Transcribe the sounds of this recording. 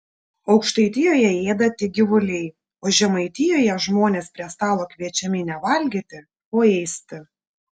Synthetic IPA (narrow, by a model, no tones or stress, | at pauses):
ɒʊkʃt̪ɐɪt̪ʲɪjoːjɛeːd̪ɐt̪ʲɪɡʲɪʋʊlʲɛɪ | oːʒʲɛmɐɪt̪ʲɪjoːjɛʒmoːnʲeːspʲɾʲiɛst̪ɑːlˠoːkʲʋʲiɛt͡ʃʲɛmʲɪnʲɛʋɐlʲɡʲɪt̪ʲɪ | oːɛɪsʲt̪ʲɪ